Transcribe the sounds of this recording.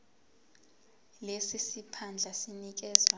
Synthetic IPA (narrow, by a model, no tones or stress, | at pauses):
lesisipʰand͡ɮʱasinik̬ɛːzwa